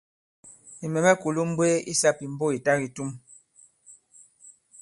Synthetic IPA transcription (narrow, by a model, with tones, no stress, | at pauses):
i˨mɛ˨mɛ˦ku˨lu˦m̩˦be˦ḭ˦sa˦pi˨m̩˨˦bo˦i˨ta˦ɣi˨tu˦m